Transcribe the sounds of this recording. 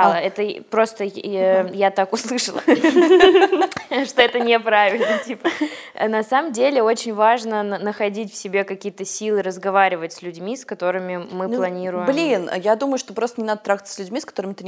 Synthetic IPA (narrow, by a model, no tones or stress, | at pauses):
aɛt̪əpɾo̞st̪əjat̪akʊslˠɨʂəlˠə̰ | ʂt̪o̞ɛt̪ənʲɪpɾavʲɪlʲnətʲipə̰nɐsaməmdʲelʲɪo̞t͡ɕɪnʲvaʐnənəxɐdʲitʲfsʲɪbʲekɐkʲijət̪əsʲilˠɨɾəzɡɐvaɾʲɪvətʲsʲlʲʉdʲmʲiskɐt̪o̞ɾɨmʲɪmɨplˠɐnʲiɾʊjbmlʲin̰jad̪uməjʊʂt̪opɾost̪ənɪnad̪ət̪ɾaɡ̪sə̥sʲlʲʉdʲmʲiskɐ̥t̪o̞ɾəmʲɪt̪ɨ